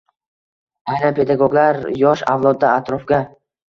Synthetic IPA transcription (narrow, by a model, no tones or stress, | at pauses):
ajnapʰe̞d̪aɡoɡlaɾjɒʃa̰vlˠɒd̪ːaːt̪ɾɒfɡʲa